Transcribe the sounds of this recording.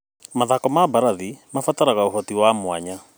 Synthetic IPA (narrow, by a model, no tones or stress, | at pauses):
maðakɔmabaɾaðimafataɾaɣaoɦɔtiwamwaɲa